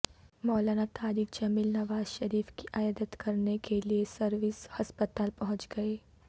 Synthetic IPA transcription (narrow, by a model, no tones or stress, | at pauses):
mɔːlaːnat̪ʰaːɾiːk̚d͡ʒɐmiːlnɐʋaːzʃɐɾiːfkiʔajaːd̪ət̪kɐɾnekʰeliesɐɾʋɪshɐspət̪aːlpɐɦʊ̃t͡ʃɡɐeː